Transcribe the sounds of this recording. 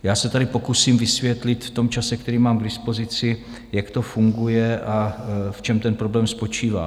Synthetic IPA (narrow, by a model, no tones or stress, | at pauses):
jaːsɛt̪adɪpo̞kusiːmvɪsvjɛt̪lɪt̪ft̪o̞mt͡ʃasɛkt̪ɛɾiːmaːmɡdɪspo̞zɪt͡sɪ | jakt̪o̞fuŋɡujɛʔaft͡ʃɛmt̪ɛnpɾo̞blɛːmspo̞t͡ʃiːva̰ː